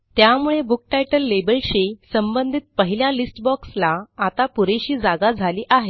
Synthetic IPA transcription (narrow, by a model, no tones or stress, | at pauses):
t̪jamuɭebuk̚ʈajʈəlːebəlɕisəmbənd̪ʱiːt̪̚pəɦiljalisʈbɔkslaːt̪apuɾeɕiːd͡zaɡad͡zʱaliːʔaɦe